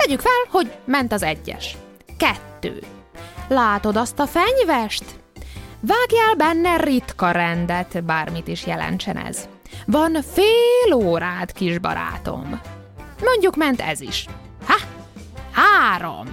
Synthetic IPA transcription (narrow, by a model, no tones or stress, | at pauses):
t̪ɛɟykfɛlho̞ɟmɛnt̪ɒzɛɟːɛ̰ʃ | kɛt̪ːø̰ː | laːt̪o̞d̪ɒst̪ɒfɛɲvɛʃt̪ | vaːɡjɛlbɛnːɛrit̪kɒɾɛnd̪ɛt̪baːrmit̪iʃjɛlɛ̰nt͡ʃɛnɛ̰z | vɒnfeːloːɾaːt̪kiʒbɒ̰ɾa̰ːt̪o̞̰m | mo̞ɲɟukmɛnt̪ɛ̰zḭʃ | ha | haːɾo̰m